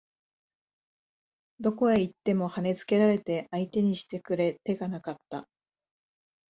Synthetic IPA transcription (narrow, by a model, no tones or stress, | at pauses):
d̪o̞ko̞e̞it̪ːe̞mo̞hane̞t͡sɨ̥ke̞ɾaɾe̞t̪e̞ʔait̪e̞ɲ̟iɕi̥t̪e̞kɯ̟ɾe̞t̪e̞ɡanakat̪ːa̰